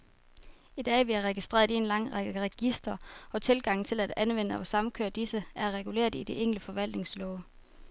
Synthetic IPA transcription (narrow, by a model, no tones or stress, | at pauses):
id̥ɛ̰ːʋiæʁɛɡ̥isd̥ʁḛɐie̝nlɑ̈ŋ̰ʁɑɡ̥əəʁɛɡ̥isd̥ɐʔɒ̽t͡sʰe̝lɡ̥ɑ̈ŋ̰n̩t͡sʰe̝læd̥ænʋen̰əɒ̽sɑ̈m̩kʰøɐ̰d̥isəæɐʁɛɡ̥ule̝̰ːɐdˠid̥e̝ʔeŋ̰ləfɒ̽ʋæl̰d̥ne̝ŋslɔʊ